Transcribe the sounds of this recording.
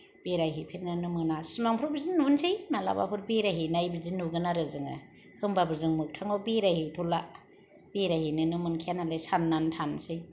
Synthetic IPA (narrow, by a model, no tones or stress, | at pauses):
b̥eɾaɦipʰeɾnanɯmɯnasɯmaŋpʰɾɔbɯzinunsɯjmala̰ba̰pʰɯɾbeɾaɦinajbizinuɡɯnaɾɯzɯŋa̰ | hɯmbabɯzɯŋmɯk̚tʰaŋɔbeɾahijtʰɔla | beɾajhinɯnɯmɯnkʰijanalesanːantʰansɯj